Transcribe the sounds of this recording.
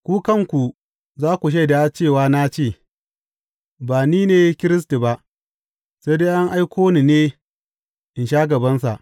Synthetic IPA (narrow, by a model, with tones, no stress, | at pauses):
kʷuː˦kɐ˦˨ŋkʷu˨ | zaː˦kʷu˨ʃ̬a˦jda˦t͡ʃeː˦˨waː˦na˦t͡ʃeː˦˨ | baː˨niː˦neː˨˦kʲɪ˦ɾɪ˦s̬ti˨ba˦ʔ | sa˦deː˦ʔa˦ŋʔa˦jkʷʰoː˦ni˨neː˦ | ʔɪ˨nʃaː˦ɡɐ˨bɐ˦nsa̰˨ʔ